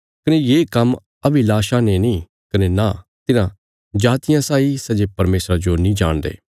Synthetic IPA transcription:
kɐnẽːjeːkɐm | əbilaːʃãːnenĩː | kɐneːnaːt̪ɪnã | d͡ʒaːt̪ɪjãsaːisəd͡ʒepɐɾmeːsɾad͡ʒonĩːd͡ʒaːɳ̃d̪ḛː

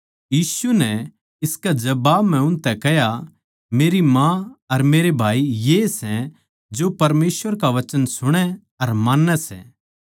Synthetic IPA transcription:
jiːsunɛ | ɪskad͡ʒɐbaːbm̤ɛ̃ʊ̃nt̪ɛkɛɦja | meːɾimãɐɾmeːɾebʱaːijesɛ̃ | d͡ʒopɐɾmeːsʋəɾkaʋɐt͡ʃənsʊɽ̃ɛ | ɐɾmaːnːɛsɛ̰ː

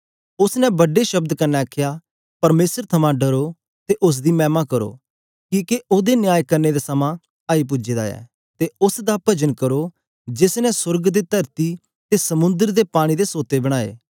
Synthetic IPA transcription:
ʊsnɛ̃bɐɖeʃɐb̚d̪kɐnːɛɐkʰːjaː | pɐɾmeːsəɾt̪ʰɐmãɖɐɾo | t̪eʔʊs̬d̪imɛ̃ːmakɐɾo̰ː | kĩːkeʔoːd̪enɪjaːjkɐɾned̪esɐmã | aːip̬ʊd͡ʒeːd̪a̰ɛ̰ː | t̪eʊsd̪apɐd͡ʒənkɐɾo | d͡ʒɪsnɛ̃sʊɾɡd̪et̪ɐɾt̪i | t̪esɐmʊ̃nd̪əɾd̪epaːɽ̃id̪esoːt̪ebɐɽ̃aːḛː

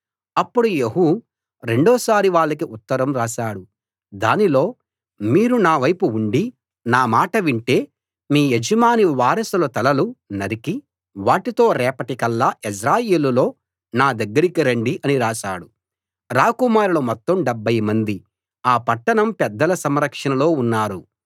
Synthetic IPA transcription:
ɐpːuɽujeɦu | ɾe̞ɳɖɔːsaːɾiʋaːɭːɐkiʔut̪ːɐɾɐmɾaːʃaːɽu | d̪aːnilo̞ː | miːɾunaːʋɐjpuuɳɖi | naːmaːʈɐʋiɳʈe̞ː | miːed͡ʒɐmaːniʋaːɾɐsulɐt̪ɐlɐlunɐɾiki | ʋaːʈit̪o̞ːɾɛːpɐʈikɐlːaːis̬ɾaːjeːlulo̞ː | naːd̪ɐɡːɐɾikiɾɐɳɖiʔɐniɾaːʃaːɽu | ɾaːkumaːɾlɐmɔt̪ːɐmɖɛbːɐjmɐnd̪i | aːpɐʈːɐɳɐmpɛd̪ːɐlɐsɐmɾɐkʂɐnɐlo̞ːunːaːɾu

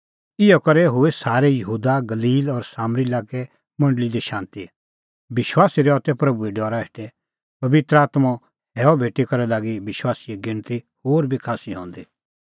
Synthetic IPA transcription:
ɪjɔkɐɾɛɦʊesaːɾɛjɐɦuːd̪aɡɐliːlɔɾsaːmɾilaːkɛ | mɐ̃ɳɖəlid̪eʃãːnt̪i | bɪʃwaːsiɾɛɔt̪ɛpɾɐbueɖɔːɾaeʈɛ | pɐʋɪt̪ɾəaːt̪ma | ɦɛːɔbʱeːʈːikɐɾɛlaːɡibɪʃwaːsijeɡɪ̃ɽ̃t̪ihoːɾbʱikʰaːsiɦɔ̰̃ːnd̪i

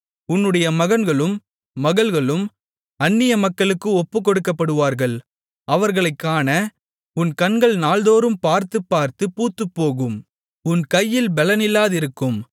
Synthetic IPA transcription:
ʊnːɯɽɐjɐmɐɣɐnɡɐɭɯmː | ɐɣɐɭɣɐɭɯm | ɐnːɪjɐmɐkːɐɭɯkːɯɔpːɯkɔɽɯkːɐpːɐɽɯʋaːɾɣɐɭ | ɐʋɐɾɣɐɭɐɪkːaːnɐ | ʊnkɐnɡɐɭnaːlðoːɾɯmpaːɾt̪ɯpːaːɾt̪ɯpuːt̪ːɯpːoːɣɯm | ʊnkɐjːɪlbɛlɐnɪlːaːðɪɾɯkːɯm

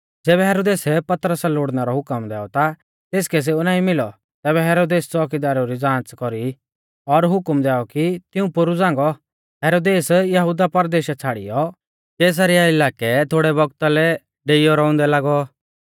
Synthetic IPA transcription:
d͡zɛːβɛɦɛːɾoːd̪eːsɛpɐt̪ɾəsaloːɽnaɾɔɦʊkəmd̪ɛ̰ːɔt̪a | t̪eːskɛs̬eunãːĩmɪlɔ | t̪ɛːbɛɦɛːɾoːd̪eːst͡sɔːk̬ɪd̪aːɾoɾid͡zãːt͡skɔɾi | ɔɾɦʊkmd̪ɛːɔkit̪ɪũpʊɾud͡zãːŋɡɔ | ɦɛːɾoːd̪eːsjɐɦud̪apɐɾd̪eːʃɛt͡sʰaːɽḭjɔ | keːs̬aɾɛaɪlaːkɛt̪ʰoːɽɛbɔɡt̪alɛ | ɖeːɪjɔɾɔʊ̃nd̪ɛlaːɡɔ

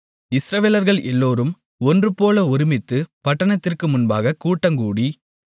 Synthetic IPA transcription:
ɪsɾɐʋeːlɐɾɣɐɭʔɛlːoːɾɯm | ɔndrɯpoːlɐɔɾɪmɪt̪ːɯpɐʈːɐɳɐt̪ːɪrkɯmʊnbaːɣɐkːuːʈːɐŋɡuːɽi

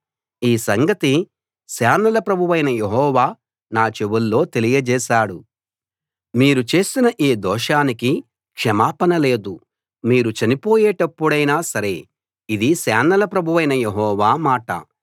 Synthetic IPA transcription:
iːsɐŋɡɐt̪i | saːnɐlɐpɾɐbʱuʋɐjnɐje̞ɦɔːʋaː | naːt͡ʃeʋulːo̞ːt̪e̞lijɐd͡ʒɛːʃaːɽu | miːɾut͡ʃe̞ːsinɐʔiːd̪ɔːʂaːniki | kʂɐmaːpɐnɐle̞ːd̪u | miːɾut͡ʃɐnipo̞ːjɛːʈɐpːuɽɐjnaːsɐɾe̞ | id̪isaːnːɐlɐpɾɐbʱuʋɐjnɐjeɦɔːʋaːmaːʈɐ̰

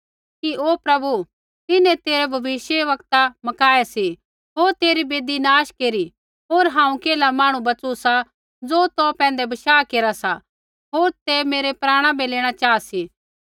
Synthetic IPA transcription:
kiʔoːpɾɐbu | t̪ɪnɛ̃t̪eːɾɛbʱɐʋɪʃjəʋɐkt̪amɐkaːesi | ɦoːɾt̪eːɾibeːd̪inaːʃkeːɾi | ɦoːɾɦãːũkeːlamãːɽ̃ũbɐt͡susa | d͡zoːt̪opɛ̃ːnd̪ɛbɐʃaːkeːɾasa | ɦoːɾt̪emeːɾepɾaːɽ̃ãbeleːɽ̃at͡ʃaːasiː

